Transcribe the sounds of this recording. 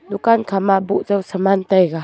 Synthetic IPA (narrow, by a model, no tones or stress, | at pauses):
dukankʰamaʔbuʔzawsəmant̪ajɡa